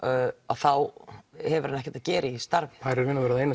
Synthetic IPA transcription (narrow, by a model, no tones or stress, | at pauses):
a̰θawhɛvʏɾhanɛhcɛ̥ɾt̪aðcɛːɾʔɪist̪aɾvɪhaɾɛɾvɪːnavɛɾaðeːjna